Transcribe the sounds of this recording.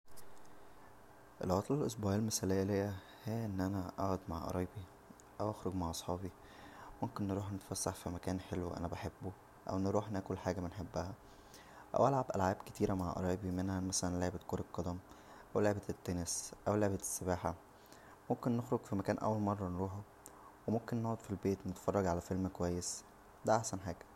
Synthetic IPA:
ʔelʔoɣɑːt̪ˤelelʔes̬ˤbuːʕælmesælejːælejːæ | hejæʔenːʔænæʔɑ̰ʕæd̪maʕʔɑ̰ɾˤɑːbi | ʔæwʔæxɾoɡmaʕʔɑsˤħɑːbi | momkenːɾˤuːħnet̪fæsːaħfimækæːnħelwʔæ̰næbæħebːo | ʔæ̰wʔenːeɾuːħnæːkolħaːɡæbenħebːæhæ | ʔæ̰wʔælʕabʔæ̰lʕaːbket̪iːɾæmaʕʔɑ̰ɾˤɑːbimenhæmæsælænleʕbet̪koːɾeqːɑd̪æm | ʔæwleʕebet̪t̪ːæːnesʔæwleʕbet̪e̥sːebaːħa | momkenːexɾoɡfimækæːnʔæ̰wːælmɑrˤːɑnɾuːħæ | wemomkenːoʕod̪filbeːt̪wnet̪fɑrˤːɑɡʕalæfelmkowæjːes | d̪æʔaħsænħaːɡ̥æ

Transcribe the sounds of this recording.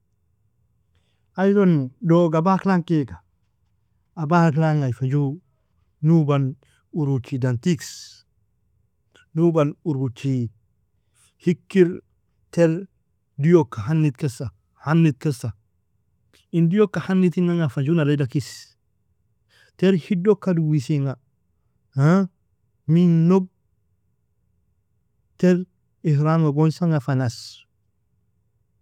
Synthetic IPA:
ajdondoɡabaːklaŋkeɡa | abaːklaŋajfad͡ʒu | nuban | uɾut͡ʃidantiks | nubanuɾut͡ʃi | hikːiɾ | teɾ | dijokːaɦanːitkesa | hanːit̚kesa | indijokːahanːitiŋaŋafad͡ʒunaledakis | teɾhidokːaduwisiŋɡa | ha | minob̚ | teɾ | ihɾaŋaɡonsaŋafanas

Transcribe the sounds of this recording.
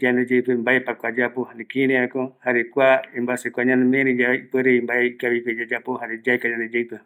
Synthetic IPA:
d͡ʒand̪ed͡ʒepembaepakʷad͡ʒapohanekiɾeakohaɾekʷaembasekʷaɲãnd̪emeɾẽd͡ʒaeipeɾeimbaekaβiped͡ʒad͡ʒapohaɾed͡ʒakaɲãnd̪ed͡ʒewpe

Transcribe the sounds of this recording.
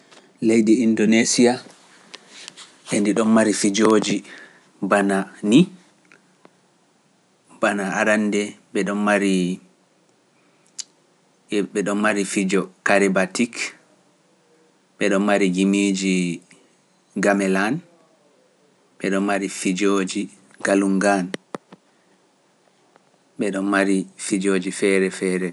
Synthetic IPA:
lejdɛindonesia | ʔɛndiɗɔnmaɾifid͡ʒoːd͡ʒi | banani | b̥anaaɾandɛɓɛɗɔnmaɾi | ɓɛɗɔnmaɾifid͡ʒɔkaɾɛbatik | ɓɛɗɔnmaɾiɡimid͡ʒi | ɡamɛlan | ɓɛɗɔnmaɾifid͡ʒoːd͡ʒi | ɡ̥aluŋɡan | ɓɛɗɔnmaɾifid͡ʒoːd͡ʒifɛɾɛfɛːɾɛ

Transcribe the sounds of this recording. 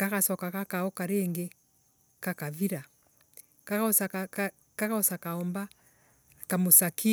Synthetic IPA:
kakasɔkakakaɔkaɾeŋɡe | kakaviɾa | kaasak | kakaosakaɔmba | kamosaki

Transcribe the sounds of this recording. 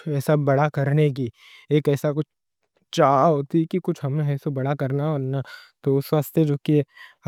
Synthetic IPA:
ɛːsabɐɽakɐɾnek̬i | eːkɛːsakʊt͡ʃʰ | t͡ʃaːɦoːt̪ikikʊt͡ʃʰɦɐmeɦɛːsobɐɽakɐɾnaɔːɾnat̪oʊsʋaːst̪jed͡ʒoːki

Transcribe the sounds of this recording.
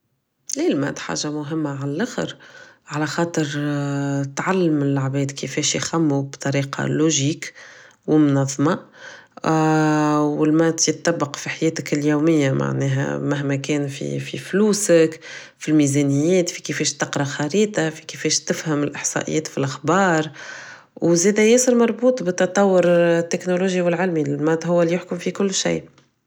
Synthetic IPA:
lilmæ̰d̪ħa̰ːʒamʊɦɪmːaʕalælʔaxɪ̰ɾʕalæxɑːt̪ˤəɾ | t̪ʕalːɪmɪlːaʕbɛːd̪kəfɛːʃjxamːubt̪ˤɑɾiːqɑ̰loʒiːk | wɪmʊnɑðˤːmɑ | wɪlmæt̪jət̪ˤːɑbːɑqfiħajɛːt̪ɪkljuːmɪjːamʔa̰ʕnɛːɦæ̰maɦmɛkɛːnfḭfḭfluːsək | filmizɛnəjːɛːt̪fi̥kefɛːʃt̪ɪqɾˤɑxɑɾiːt̪ˤɑfi̥kefɛːʃt̪ɪfhəmɪlʔɪħsˤɑ̰ʔɪ̰jːɛːt̪filʔaxbɑːɾˤ | wzɛːd̪æjɛːsəɾmɑɾˤbuːt̪ˤbət̪ːɑt̪ˤːɑwːʊɾt̪ːɪknoloːʒjiwɪlʕalmilmæd̪hʊwːælijʊħkʊmfikʊlːʃa̰ː

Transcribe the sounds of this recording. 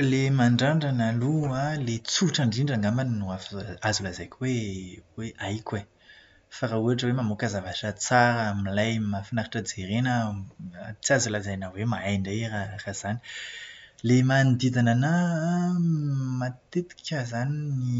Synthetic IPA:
lemaɳɖ͡ʐaɳɖ͡ʐanalualet͡suʈ͡ʂaɳɖ͡ʐiɳɖ͡ʐaŋɡamannuafazulazajkʲweweʔajkʲwe | faɾauaʈ͡ʂəwemamokəzavaʈ͡ʂət͡saɾəmilajmafinaɾaʈ͡ʂəd͡zeɾenə | t͡siazulazajnawemaajɳɖ͡ʐaiɾaraz̥ani̥ | lemand̪id̪anana | mat̪et̪i̥kʰʲəzanini

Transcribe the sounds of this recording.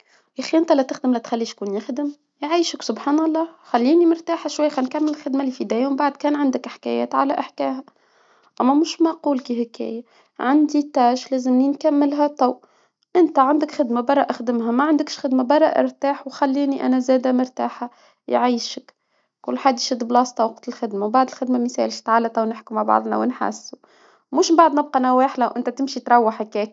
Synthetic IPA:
jæxiʔɪnt̪ælæt̪ɪxd̪ɪmlæt̪xalːiːʃkuːnjɪxd̪ɪm | jʕiːʃəksʊbħaːnɑlˤːɑːxælːiːnimʊɾt̪aːħaʃwajːxænkamːɪllxɪd̪malifid̪æːjambaʕd̪̚kæːnʕand̪ɪkʔɪħkæ̰jæ̰ːt̪ʕa̰læʔɪħkæ̰ːɦæ | ʔæmːæmʊʃmaʔquːlkihɪkæ̰ːja | ʕand̪it̪æːʃlæːzɪmninkamːɪlɦæt̪ˤɑw | ʔɪnt̪æʕand̪əkxɪd̪mabɑrˤːɑʔaxd̪ɪmɦæmæʕand̪əkʃxɪd̪mabɑɾˤːɑʔɪ̰ɾt̪aːħwxælːiːniʔæ̰næzæːd̪æmʊɾt̪aːħa | jʕiːʃək | kʊlːħaːd̪jʃɪd̪ːblɑːst̪ˤɑwqt̪ɪlxɪd̪mabaʕd̪ɪlxɪd̪mæmiθɛ̰lʃt̪ʕalːat̪ˤɑwnɪħkumaʕbɑ̰ʕd̪ˤnæ̰wɪnħa̰sːu | mʊʃmbaʕd̪ˤnɪb̚qɑnæwæːħlæwʔɪnt̪æt̪ɪmʃit̪ɾˤɑwːaħɪkɛːk

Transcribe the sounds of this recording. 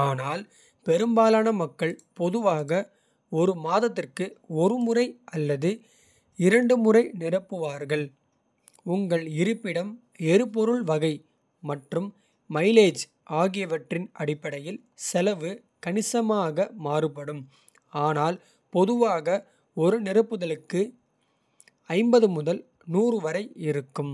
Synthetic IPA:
aːnaːl | pɛɾɯmbaːlaːnɐmɐkːɐɭpɔðɯʋaːɣɐ | ɔɾɯmaːðɐt̪̬ːɪrkɯɔɾɯmʊrɐɪʔɐlːɐðɯ | ɪɾɐɳɖɯmʊrɐɪnɪrɐpːɯʋaːɾɣɐɭ | ʊŋɡɐɭɪɾɯpːɪɽɐm | eɾɯpɔɾɯɭʋɐɣɐɪ | mɐʈrɯmː | ɐɪleːd͡ʒ | ʔaːɣɪjɐʋɐʈrɪnʔɐɽɪpːɐɽɐjɪl | sɛlɐʋɯ | kɐnɪsɐmaːɣɐmaːrɯpɐɽɯm | aːnaːl | pɔðɯʋaːɣɐ | ɔɾɯnɪɾɐpːɯðɐlɯkːɯ | ɐɪmbɐðɯmʊðɐl | nuːrɯʋɐɾɐɪɪɾɯkːɯm

